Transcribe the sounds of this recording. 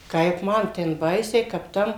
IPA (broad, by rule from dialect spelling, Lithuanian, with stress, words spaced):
ˈkɐɪp ˈmɐn tʲɛn ˈbɐɪsʲɛɪ kɐp ˈtɐm